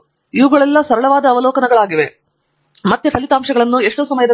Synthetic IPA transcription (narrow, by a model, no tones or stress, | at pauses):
iʋuɡɐɭɛlːɐsɐɾɐɭɐʋaːd̪ɐːʋɐlɔːkɐnɐɡɐɭaːɡiʋe̞ | mɐt̪jepʰɐlit̪aːmʂɐɡɐɭɐnːue̞ʂʈoːsɐmɐjɐd̪ɐ